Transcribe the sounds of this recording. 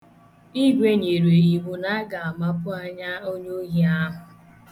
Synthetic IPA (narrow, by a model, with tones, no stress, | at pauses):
i˦ɡʷe˦ɲe˨ɾe˨i˨ɦu˦na˦ɡa˨a˨ma˦pʊ˦a˦ɲa˦o˦ɲo˦ɦi˦a˦ɦʊ˨